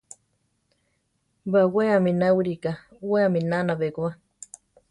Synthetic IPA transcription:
baweamĩnawiɾikaweaminanaβeɡoa

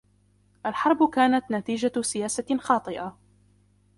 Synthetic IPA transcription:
ʔalħɑɾˤbʊkaːnat̪nat̪iːd͡ʒasɪjaːsaxɑːt̪ˤɨʔa

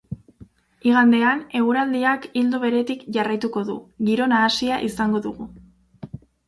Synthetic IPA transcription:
iɣ̞and̪e̞ane̞ɣuɾald̪iakild̪uβe̞ɾe̞t̪ikʝarajt̪uko̞ðṵɣiɾo̞naːsiaʔisaŋɡo̞ðuɣu

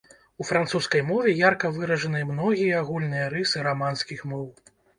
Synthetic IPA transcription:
ufɾant̪suskɐjmɔvʲɛjarkɐvɨɾɐʐɐnɨmnɔɣʲijɐaɣulʲnɨjɐɾɨsɨɾamanskʲixmɔw

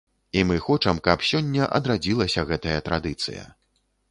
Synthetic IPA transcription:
imɨxɔt͡ʂɐmkɐpsʲɔnʲːɐʔɐd̪ɾad͡zʲilˠɐsʲɐɣɛt̪ɐjɐt̪ɾad̪ɨt̪sɨ̰jɐ̰

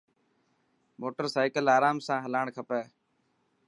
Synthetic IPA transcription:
moːʈəɾsaːɪkəlaːɾaːmsãːɦəlaːɳkʰəpɛː

